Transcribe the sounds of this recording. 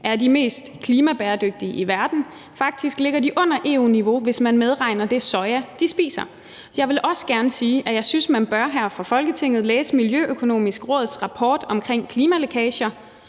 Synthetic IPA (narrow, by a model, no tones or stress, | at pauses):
ʔæɐdime̝̰ːsd̥kʰliːmæb̥ɛːɐd̥øɡ̥̚d̥iəʔiʋæɐd̥n̩ | fɑ̈ɡ̥̚d̥isɡ̥le̝ɡ̥ɐdiʔɔ̽n̰ɐʔe̝ːṵniʋo̝ʋe̝smænmeð̞ˠʁɑ̈ɪnɐd̥e̝sɒ̽ɪæd̥isb̥ḭːsɐ | jɑ̈ɪʋe̝lʔɒ̽sə̥ɡ̥æɐnəsiːʔæjɑ̈ɪsynsmænb̥ɶɐɦæɐ̰fʁɒ̈fɒ̽lɡ̥ət͡sʰe̝ŋ̰ð̩ˠlḛːsəmiljøʔøkʰo̝no̝̰ːmisɡ̥ʁɔ̽ːð̩ˠsʁɑ̈pʰɒ̰ːd̥ɒ̽mkʰʁeŋ̰kʰliːmælo̝kʰɛːɕɐ